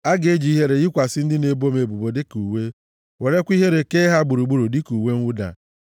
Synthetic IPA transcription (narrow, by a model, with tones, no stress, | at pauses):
a˦ɡe˦d͡ʒi˨˦ɦe˦ɾe˨ji˦kʷa˨sɪ˦n̩˦dɪ˦ne˨bo˦me˨bu˨bo˨de˦ku˨we˦ | we˨ɾe˦kʷi˦ɦe˦ɾe˨ke˦ɦa˦ɡ͡bu˨ɾu˨ɡ͡bu˦ɾu˨di˦ku˨we˦ŋ˦u˦da̰˨